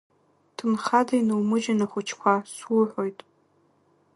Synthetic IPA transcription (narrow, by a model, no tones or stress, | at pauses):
tʰɨmχadainɨwmɨd͡ʒanaχʷʊt͡ʃʰkʷʰaswuħʷojtʼ